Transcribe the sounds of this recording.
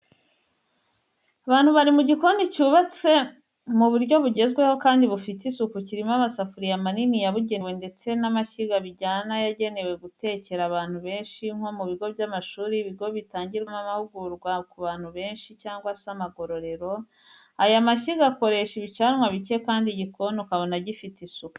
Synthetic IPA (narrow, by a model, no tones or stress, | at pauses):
aβaːn̥huβaɾimuɟikonicuːβat͡se̞ | muβuɾɟo̞βuɟe̞zɡwe̞ho̞kaːndiβufitisukuciɾimamasafuɾijamaninijaβuɟe̞nwende̞t͡se̞namaçiɡaβiɟaːnajaɟe̞ne̞we̞ɡute̞ːce̞ɾaβaːn̥huβe̞ːnʃiŋ̥ho̞muβiɡo̞βjamaʃuːɾiβiɡo̞βitaːɲɟiɾamamahuɡuɾɡwakuβaːn̥huβe̞ːnʃicaːŋɡwasamaɡo̞ɾo̞ɾe̞ɾo̞ | ajamaʃiɡako̞ɾe̞ʃiβit͡ʃaɾmwaβice̞kaːndiɟiko̞nukaβo̞naɟifitisuku̥